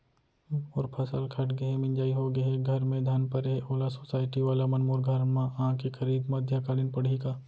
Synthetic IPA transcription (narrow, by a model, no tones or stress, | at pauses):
ɔːɾpʰɐsəlkʰɐʈɡɐɦemɪ̃ɲd͡ʒaːiɦoɡɐɦeɡʱɐɾmẽd̪ʱaːnpɐɾɦeʔoːlasoːsaːɪʈiʋaːlamɐnmoːɾɡʱɐɾmããkikʰɐɾiːd̪mɐd̪ʱjakaːlɪnpɐɽ̤ikaː